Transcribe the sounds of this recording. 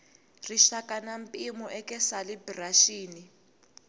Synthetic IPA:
riʃakʼanam̩pʼimɔʔɛkʼɛsalibraʃiːni

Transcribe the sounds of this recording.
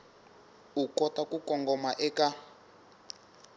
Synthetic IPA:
ukɔtakukɔŋɡɔmaʔɛka

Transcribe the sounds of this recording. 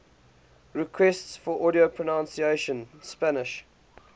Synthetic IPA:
ɹɪkʰwɛstsfɔʔɔɾiopʰɹənãnsieʃə̃nspænɪʃ

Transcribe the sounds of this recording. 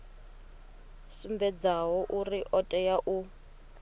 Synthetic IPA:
sumbɛd͡zawɔʔuriʔɔtʼɛjaʔu

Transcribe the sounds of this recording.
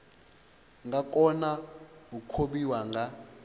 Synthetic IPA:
ŋɡak̬ʼɔnaukʰoɓiwaŋɡa

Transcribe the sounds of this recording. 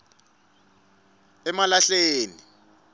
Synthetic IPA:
ɛmalaɬeːni

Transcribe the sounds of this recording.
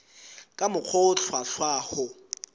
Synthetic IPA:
kʼamʊk͡xʰɔʊt͡ɬʰwaɬwaːhʊ

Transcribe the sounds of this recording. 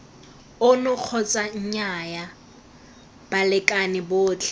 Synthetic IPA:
ʊnʊq͡χʰɔt͡sʼaɲ̩ɲaja | b̥alɪkʼanɪbʊːt͡ɬʼɛ̥

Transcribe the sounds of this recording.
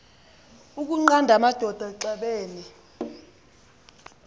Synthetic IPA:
uk̬uŋ͡ǃandʱamad̥ʱɔd̥ʱaǃɛɓeːni

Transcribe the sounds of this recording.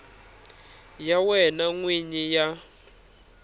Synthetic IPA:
jawɛnaŋwiɲija

